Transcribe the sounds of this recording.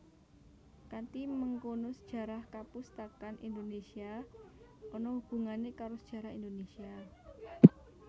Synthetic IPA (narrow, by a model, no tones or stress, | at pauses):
kant̪iməŋkonosə̥d̥ʒ̥ä̤ɾahkapust̪akanʔind̪onesia | ɔnɔwub̥ṳŋanekaɾosə̥d̥ʒ̥ä̤ɾahindonesia